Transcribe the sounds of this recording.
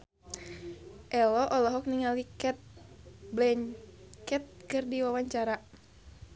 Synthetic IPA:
ʔɛlɔʔɔlɔɦɔk̚niŋalikɛt̪̚blɛɲkɛt̪̚kɨrdiwawaɲt͡ʃaɾa

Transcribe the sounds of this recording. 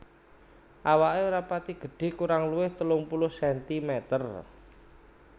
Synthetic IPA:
ʔawaʔeuɾapat̪iɡ̥ə̤ɖ̥e̤kuɾaŋluwɪht̪əlʊŋpulʊhsɛnt̪imɛt̪ər

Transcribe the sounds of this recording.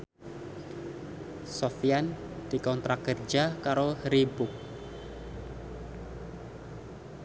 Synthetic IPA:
sofian | d̥ikɔnt̪ɾakərd͡ʒakaɾohɾibʊk̚

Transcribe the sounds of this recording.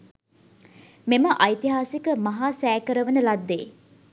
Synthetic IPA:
meməʔɐjt̪iɦaːsikəmɐɦaːsɛːkəɾəʋənəlad̪ːḛː

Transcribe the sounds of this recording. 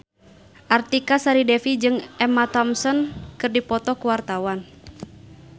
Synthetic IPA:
ʔart̪ikasaɾidɛfid͡ʒɨŋʔɛmat̪ɔmsɔnkɨrdipɔt̪ɔkuwart̪awan

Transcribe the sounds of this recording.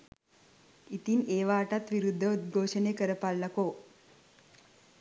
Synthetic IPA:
it̪ineːʋaːʈat̪ʋiɾud̪ʱːəut̪ɡʱoːʂəneːkəɾəpalːɐko

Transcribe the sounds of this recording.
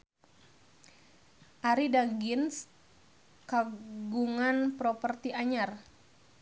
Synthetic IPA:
ʔaɾidaɡins | kaɡuŋanpɾɔpərt̪iaɲar

